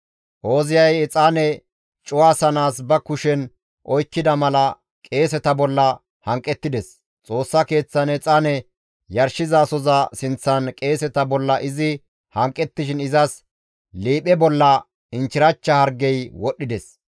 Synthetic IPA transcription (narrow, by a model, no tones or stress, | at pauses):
ʔo̞ːzɪjɐjɛt͡sʼaːnɛ | t͡ʃʼʊwaːsɐnaːsbɐkʊʃɛn | ʔɔjkːɪd̪ɐmɐlɐ | kʼe̞ːsɛt̪ɐbɔlːɐ | hɐŋkʼːɛt̪ːɪd̪ɛs | t͡sʼo̞ːsːɐke̞ːt͡sːɐnɛt͡sʼɐnɛ | jɐɾʃɪzɐsɔzɐsɪnt͡sːɐnkʼe̞ːsɛt̪ɐbɔlːɐʔɪzɪ | hɐŋkʼːɛt̪ːɪʃ̬ɪnɪzɐs | liːɓɛbɔlːɐ | ɪnt͡ʃɪɾɐt͡ʃːɐhɐɾɡːɛjwɔɗːɪd̪ɛs